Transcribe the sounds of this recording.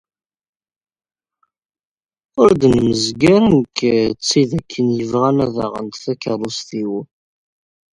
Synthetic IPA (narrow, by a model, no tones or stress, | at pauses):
ʊɾd̪nməzɡaɾənkt͡sːiðækʰːənjəvʁanæða̰ʁə̰nt̪θækəɾˤust̪iw